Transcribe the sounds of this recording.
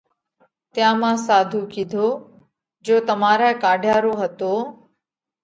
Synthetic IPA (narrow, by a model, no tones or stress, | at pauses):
t̪jãːmãːsaːd̪ʱuːkid̪ʱoː | d͡ʒoːt̪əmaːɾaekaːɖʱjaːɾoːɦət̪oː